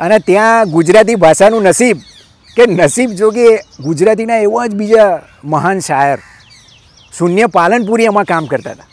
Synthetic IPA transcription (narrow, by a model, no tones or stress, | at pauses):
ənet̪jãɡud͡ʒɾat̪̬ibʱaʃanũnəsib̚ | kenəsibd͡ʒok̬eɡud͡ʒɾat̪̬inaeʋãd͡ʒbid͡ʒa | məɦanʃajəɾ | sunjəpalənp̬uɾiəmãkamkəɾt̪a̰t̪ḁ